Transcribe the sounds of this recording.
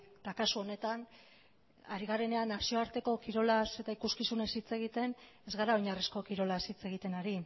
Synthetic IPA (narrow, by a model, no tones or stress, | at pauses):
t̪akasuo̞ne̞t̪an | a̰ɾiɣare̞ne̞anːasio̞aɾt̪e̞ko̞kiɾo̞lase̞t̪aikuskisune̞sit͡se̞ɣ̞it̪e̞n | e̞zɣaɾaojɲarisko̞kiɾo̞lasit͡se̞ɣ̞it̪e̞naɾi